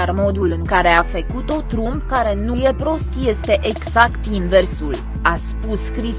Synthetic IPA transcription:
armo̞d̪ulɨŋkaɾe̞afekut̪o̞t̪ɾumbkaɾe̞nuje̞pɾo̞st̪je̞st̪e̞ʔeɡz̥akt̪inversul | aspuskɾi

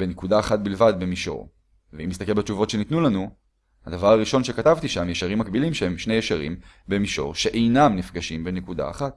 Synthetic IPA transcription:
benekudaːχat̪̚bilvadbemiʃo̞̰ʁ | veimːist̪akelbet͡ʃuvo̞tʃenit̪nulanu | had̪avaʁaʁiʃo̞nʃekat̪avt̪iʃamjeʃaʁimːakbilimʃehemʃnejeʃaʁḭmbe̞miʃo̞̰ʁʃeʔejnamnifɡaʃimbenekuda̰ːχat̚

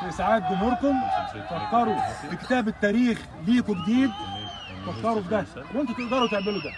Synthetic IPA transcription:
fisaʕaːt̪̚bɪmoɾkʊmt̪ɑxt̪ɑɾˤubɪkɪ̥t̪æːbɪt̪ːæːɾiːx | liːkubd̪iːb̪̚ | t̪ɑxt̪ɑɾˤubd̪æ | wʔent̪æk̪eʔɡ̪ɑːɾˤwt̪eʕmelud̪æ

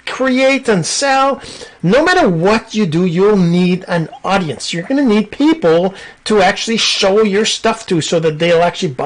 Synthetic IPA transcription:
kʰɹ̥ieɪɾɨ̃nsɛlˠnoʊmæɾə˞wʌt͡ʃɨdɨjulˠniɾɨ̃nɔɾiɨ̃nsjə˞ɡʌnɨnid̚pʰipl̩ˠtʰəæk̚t͡ʃʉl̩ˠiʃoʊjə˞stʌftʰusoʊðɨt̪̚ðeɪl̩ˠæk̚t͡ʃʉl̩ˠib

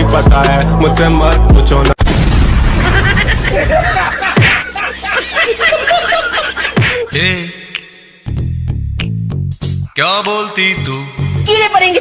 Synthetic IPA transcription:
ipət̪aːɛmʊd͡ʒseːmət̪pʊt͡ʃõːn | eː | kjãːboːlt̪iːt̪uːkiɾeːpəɾẽːŋɡ

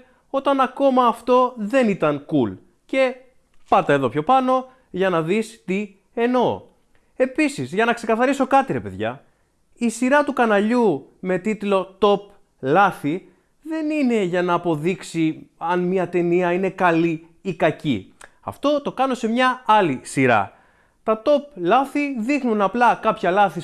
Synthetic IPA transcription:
o̞t̪ɐnɐko̞mɐːft̪o̞ðe̞nit̪ɐnkul | ce̞ | pɐɾt̪ɐe̞ðo̞pço̞pɐno̞ | ʝɐnɐðist̪i | e̞no̞ | e̞pisizʝɐnɐkse̞kɐθɐɾiso̞kɐt̪iɾe̞pe̞ðʝɐ̰ | isiɾɐt̪ukɐnɐʎume̞t̪it̪lo̞t̪o̞p̚ | lɐθi | ðe̞nine̞ʝɐnɐːpo̞ðiksiɐnmiɐt̪e̞niɐine̞kɐliː | kɐcḭ | ɐ̰ft̪o̞t̪o̞kɐno̞se̞mɲɐɐlisiɾɐ̰ | t̪ɐt̪o̞plɐθiðixnunɐplɐkɐpçɐlɐθi

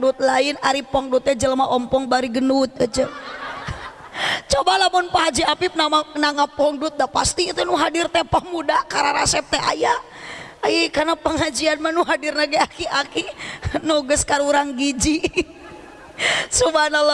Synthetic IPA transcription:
dut̪̚laɪnaɾipɔŋdut̪̚ɲad͡ʒəlamaʔɔmpɔŋbaɾiɡənut̪̚ad͡ʒə | t͡ʃɔbalamʊnpaɦad͡ʒiapip̚namanaŋapɔŋdut̪̚dapa̰st̪iːt̪ɛnuɦadirt̪ɛpamudakaɾaɾasɛp̚t̪ɛʔa̰ja | ajikarnapəŋad͡ʒianmanuɦadirnaɡaakiakinɔɡəskaɾuɾaŋɡid͡ʒi | subanal

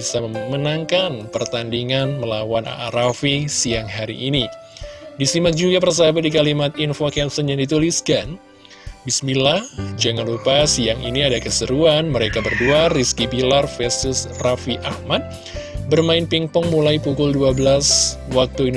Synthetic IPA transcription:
isamənaŋkanpərt̪andiŋanməlawanʔa̰a̰ɾafisiaŋɦaɾḭʔːni | disimak̚d͡ʒuɡabərs̬abadikalimat̪infokɛmsənjaŋdit̪uliskan | bismilahd͡ʒaŋanlupasiaŋḭniadakəsəɾuanməɾekabərduariskibilarfɛst̪ʊsrafiʔahmat̪̚ | bərmaɪnpiŋpɔŋmulajpukʊlduabəlaswak̚t̪uin

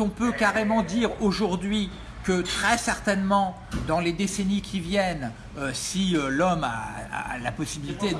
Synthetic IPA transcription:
ɔ̃pøkaʁemɑ̃d̪iʁoʒuʁd̪ɥi | kət̪χɛsɛʁt̪ɛnmɑ̃ | d̪ɑ̃led̪esɛnikʲʰivjɛn | øsiølɔma̰a̰lapɔsibilit̪e

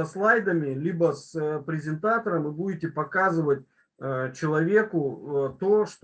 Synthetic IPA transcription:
ɐslˠajd̪əmʲɪlʲibəspɾʲɪzʲɪnt̪at̪əɾəmɨbudʲɪtʲɪpɐkazɨvət̚ʲː | t͡ɕɪlˠɐvʲe̞kʊt̪oʂt̪

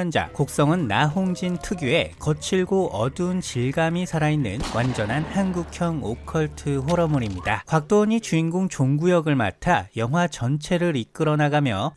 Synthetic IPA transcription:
ʌnd͡ʑa̰kok̚s͈ʌŋɯnːaɦoŋd͡ʑintʰɯɡjue̞kʌt͡ɕʰiɭɡoʔʌdunt͡ɕiɭɡamisʰaɾainːɯ̰nwʔand͡ʑʌnɦanhanɡukʰjʌŋokʰʌɭtʰɯɸoɾʌmuɾimɲidakwak̚t͈oɲit͡ɕuinɡoŋt͡ɕoŋɡujʌɡɯɭma̰tʰajʌŋɦwat͡ɕʌnt͡ɕʰe̞ɾɯɾik͈ɯɾʌnaɡamjʌ

